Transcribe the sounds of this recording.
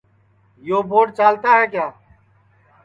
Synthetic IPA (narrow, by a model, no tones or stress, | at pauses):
joːbʱoːʈt͡ʃaːlt̪aːɦɛːkjaː